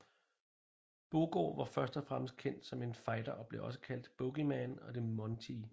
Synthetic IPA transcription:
b̥o̝ɡ̥o̰ʋɑ̈fɶɐsd̥ɒfʁam̰əsd̥̚kʰen̰d̥sɒ̽me̝nfɑ̈ɪd̥ɐʔɒ̽b̥le̝ʔɒ̽s̬ə̥kʰæl̰d̥b̥ɔɡ̥imænɒ̽d̥e̝mɒnt͡sʰi

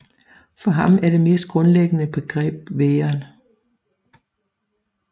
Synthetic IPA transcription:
fɒ̽ɦɑ̈mæɐd̥e̝me̝ːsd̥̚ɡ̥ʁɔ̽nleɡ̥ənəb̥e̝ɡ̥ʁɛ̰ːb̥̚ʋeːɐn

